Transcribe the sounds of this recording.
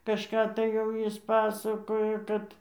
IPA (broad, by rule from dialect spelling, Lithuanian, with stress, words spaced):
kɐʃˈkɑː tɐɪ jɛʊ ˈjɪs ˈpɑːsɐkoːjoː ˈkɐt